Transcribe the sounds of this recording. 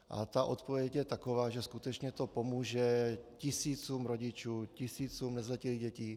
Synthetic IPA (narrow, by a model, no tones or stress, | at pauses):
ʔa̰t̪aʔot̪povjɛcjɛt̪akovaːʒɛskut̪ɛt͡ʃɲɛt̪o̞pomuːʒɛcɪsiːt͡suːmɾoɟɪt͡ʃuːcɪsiːt͡suːmnɛzlɛciliːɣɟɛciː